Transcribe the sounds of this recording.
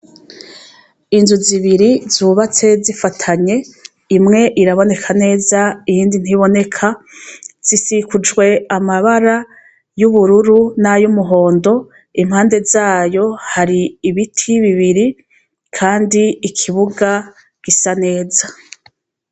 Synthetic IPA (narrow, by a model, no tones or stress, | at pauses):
inzuziβiɾizuːβat͡se̞zifatʰaɲe̞ | imŋe̞ʔiɾaβo̞ne̞kʰane̞ːzaijiːndin̥hiβo̞ne̞kʰa | z̥isikud͡ʒwe̞amaβaɾa | juβuɾuɾunajumuɦo̞ːndo̞ | imhaːnde̞zaːjo̞haɾiːβitʰiβiβiɾi | kʰaːndiːkʰiβuɡa | ɡ̥isane̞ːza